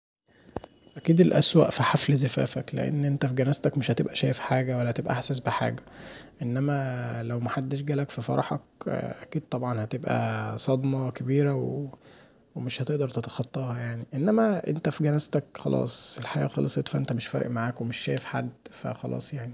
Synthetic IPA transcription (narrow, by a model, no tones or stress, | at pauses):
ʔækiːd̪elʔæ̰swæ̰ʔfiħaflzæfæ̰ːfæklḛʔḛnːʔent̪æfiɡænæːzt̪ækmeʃhæt̪ebʔæʃæːjefħaːɡæwælːhæt̪ebʔæ̰ʔaħsæsbeħa̰ːɡæʔenːæmælæwmæħad̪ːeʃ̬ɡæːlækfifɑ̰ɾˤɑħɑ̰k̚ʔækiːd̪̚t̪ˤɑbʕɑnhæt̪ebʔæ̰sˤɑd̪mɑkæbiːɾæwe | wemeʃhæt̪eʔd̪ɑɾˤt̪et̪ɑ̥xɑt̪ˤːɑːhɑjaʕniʔenːæmæʔḛnt̪æfiɡænæːzt̪ækxɑlʔɑ̰ːsˤelħaɡæ̰ːxɑlʔesˤet̪fæʔent̪æmeʃfæɾ̰ˤʔmaʕaːkwemeʃːæːjefħa̰d̪ːfæ̰xɑlʔɑ̰ːsˤjaʕni